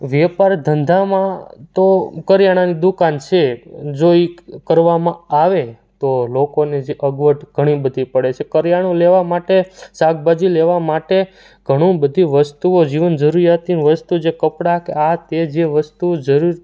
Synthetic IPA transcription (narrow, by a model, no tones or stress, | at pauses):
ʋɛpaɾd̪ʱənd̪ʱamãt̪okəɾjaɽ̃anid̪ukant͡ʃʰed͡ʒoikəɾʋamãaʋe | t̪olokoned͡ʒeʔəɡʋəʈʰɡʱəɽ̃ibəd̪ʱipəɽet͡ʃʰekəɾjaɽ̃õleʋamaʈesaɡ̚bad͡ʒileʋamaʈe | ɡ̥ʱəɽ̃ũbəd̪ʱiʋəst̪uod͡ʒiʋənd͡ʒəɾuɾijat̪inʋəst̪ud͡ʒekəpɽakḛat̪ed͡ʒeʋəst̪ud͡ʒəɾuɾ